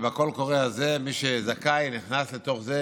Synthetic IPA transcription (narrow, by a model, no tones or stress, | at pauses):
vako̞lko̞ʁealze̞miʃezakajniχnaslet̪o̞χze